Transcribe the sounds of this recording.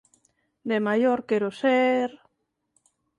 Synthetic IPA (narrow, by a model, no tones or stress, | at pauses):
d̪emajoɾkeɾʊseɾ